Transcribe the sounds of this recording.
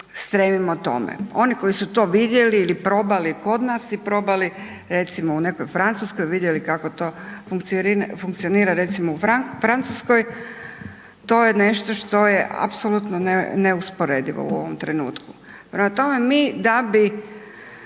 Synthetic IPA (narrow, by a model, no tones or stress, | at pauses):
st̪ɾemimot̪o̞̰mḛo̞niko̞jisut̪o̞ːʋid̪je̞liːlipɾo̞baliko̞d̪naːsipɾo̞bali | ɾe̞t̪simoune̞kojfɾant̪suskojʋid̪jelikako̞t̪ofuŋkt̪sfuŋkt̪sioniːɾaɾe̞t̪simoufɾafɾant̪susko̞j | t̪o̞ːjene̞ʃt̪o̞ʃt̪o̞jeʔa̰psolut̪noneneuspoɾed̪iʋo̞̰ṵo̞̰ʋo̞mt̪ɾe̞nṵːt̪ku̥ | pɾemat̪o̞me̞miːd̪abi